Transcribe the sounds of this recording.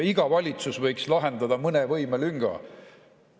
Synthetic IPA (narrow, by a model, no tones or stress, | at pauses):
iɡ̥ɑvɑlʲit̪susvɤjkslɑɦe̞nd̪ɑd̪ɑmɤnevɤjmelyŋɡ̥ɑ̰